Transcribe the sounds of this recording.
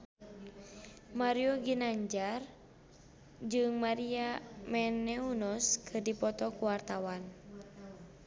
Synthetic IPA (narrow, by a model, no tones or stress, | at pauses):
maɾiɔɡinaɲd͡ʒar | d͡ʒɨŋmaɾiamɛnɛunɔskʰɨrdipɔt̪ɔkuwart̪awan